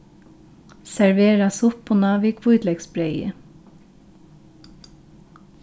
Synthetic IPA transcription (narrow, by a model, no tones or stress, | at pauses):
sæɹʋeːɹɑsʊpʰoːnɑːʋikʰʋuʏd̪lɛɡsbɾeɪə̰